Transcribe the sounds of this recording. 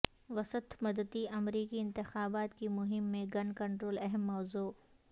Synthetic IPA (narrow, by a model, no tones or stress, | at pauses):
ʋɐsət̪mɐd̪əd̪iʔɐmɾiːkiɪ̃nt̪ɪxaːbaːt̪kimʊɦɪmːẽɡɐnkɐ̃ɳʈɾoːlɛɦɛmːɔːzuː